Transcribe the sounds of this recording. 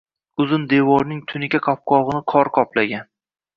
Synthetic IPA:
ʊzɪnd̪e̞vɒɾnɪŋt̪ʰʊnɪkʲaqʰɒp̚qʰɒʁɨnɪqʰɒɾqʰɒplaɡʲan

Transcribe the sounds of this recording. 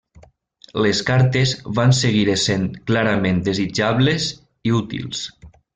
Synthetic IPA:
leskaɾt̪ezβanseɣiɾesenklaɾamẽnd̪ezid͡ʒaβlez | iut̪ḭlˠs

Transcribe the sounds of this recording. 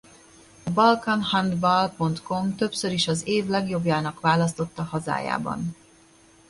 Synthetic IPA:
ɒbɒlkɒnhɒnd̪bɒlpo̞nt̪ko̞mt̪ø̞psø̞ɾiʃɒzeːvlɛɡjo̞bjaːnɒkʋvaːlɒst̪o̞t̪ːɒhɒza̰ːja̰ːbɒ̰n

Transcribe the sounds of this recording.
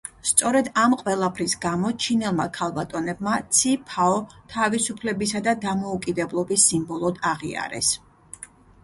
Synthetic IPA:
st̪sʼɔɾɛd̪amqʼwɛlˠapʰɾisɡamɔt͡ʃʰinɛlˠmakʰalˠbat̪ʼɔnɛbmat̪sʰipʰaɔt̪ʰavisupʰlɛbisad̪ad̪amɔukʼid̪ɛblˠɔbisːimbɔlˠɔd̪aʁḭa̰ɾɛ̰s

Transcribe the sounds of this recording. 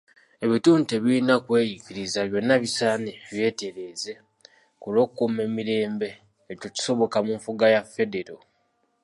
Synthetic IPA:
e̞βituːnteβiinakwe̞ːjikiɾizaβjo̞nːaβisaneβje̞ːte̞ɾe̞ːze̞ | kulo̞ːkukume̞miɾe̞ːmbe̞ː | coci̥so̞βo̞kamuɱfuɡajafe̞de̞ɾo

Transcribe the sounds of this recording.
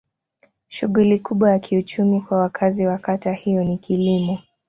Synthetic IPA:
ʃuɠulikuɓwajakʰiut͡ʃumikwawakʰaziwakatahijɔnikilimɔ

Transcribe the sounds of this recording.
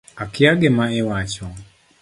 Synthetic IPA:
akɪaɡɛmaɛwat͡ʃɔ

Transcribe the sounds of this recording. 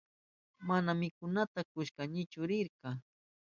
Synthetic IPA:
manamɪkʊnat̪akʊʃkaɲɪt͡ʃʊɾɪɾqɑ

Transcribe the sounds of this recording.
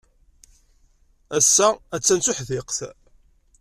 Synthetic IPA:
æsːææt͡sːænt͡suħðɪqθ

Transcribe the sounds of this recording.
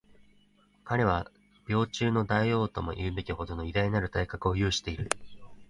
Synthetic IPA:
kaɾe̞βa | b̥ʲo̞ːt͡ɕɨːno̞d̪aio̞ːt̪o̞mo̞̰ʔiɯbe̞kʲiɦo̞d̪o̞no̞id̪aiɲinaɾɯ̟t̪aikakɯ̟o̞jɯ̟ːɕi̥t̪e̞iɾɯ̟

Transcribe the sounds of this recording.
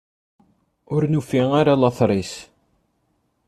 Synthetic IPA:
ʊɾnufiŋaɾalɑθɾˤis

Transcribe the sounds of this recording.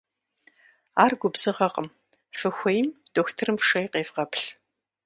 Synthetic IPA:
aːrɡʷʊbzɨʁɐqəm | fɨxʷɔjmd̥oxtʰɨrɨmʂɐjqeːvqɐpɬ

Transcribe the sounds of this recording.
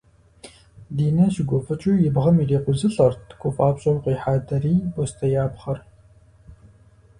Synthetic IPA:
diːnɐɕɪɡʷɔfɨt͡ʃʼujɪbʁɐmireːqʷʊzɨɬʼɐrtʰɡʷʰɔfʼaːpɕʼɐwqʼiːħaːdɐriːbɔstʰɐjaːbχɐr

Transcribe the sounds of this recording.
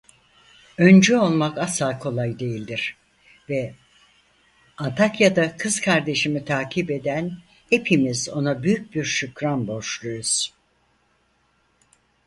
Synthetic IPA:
ø̞nd͡ʒyo̞lˠmakasakʰo̞lˠajd̪e̞jilʲd̪iɾ̥ | vɛ | ant̪ʰakjad̪akʰɯz̥kʰaɾd̪e̞ʃimit̪ʰaːcʰibe̞d̪æn | he̞pʰimizo̞nabyjyc̚biɾʃykɾanbo̞ʃlˠujuz̥

